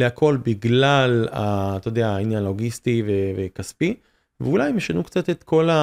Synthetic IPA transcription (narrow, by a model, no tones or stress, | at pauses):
leakʰo̞lbiɡlala̰t̪ood̪eainjanoɡist̪ivevekaspi | veulajmeʃanukt͡sat̪et̪kʰo̞la